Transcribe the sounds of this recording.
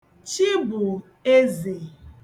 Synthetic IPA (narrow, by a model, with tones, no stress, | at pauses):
t͡ʃi˦bʊ˨ | e˦ze˨